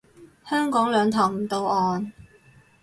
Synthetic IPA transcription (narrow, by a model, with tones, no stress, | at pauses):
hœː˥ŋkɔː˨˥ŋlœː˨˧ŋt̪ʰɔː˨˩wm̩˨˩t̪o˨˧wɔː˨˧n